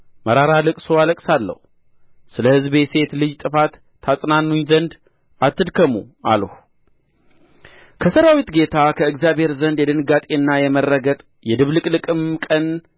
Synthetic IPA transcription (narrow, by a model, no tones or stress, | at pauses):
məɾaɾalɨkʼsoaləkʼsalːə̰h | sɨləhɨzbe̞se̞t̪lɨd͡ʒt̪ʼɨfat̪ʰː | asʼnanːuɲzənd̪ | at̪ːɨd̪kʰəmua̰ləh | kʰəsəɾawit̪ɡe̞t̪ʰakʰəɨɡzjabhe̞ɾzənd̪jɛd̪ɨnɡat̪ʼenːajɛmərːəɡət̪ʼ | jɛd̪ɨβlɨkʼlɨkʼɨmkʼən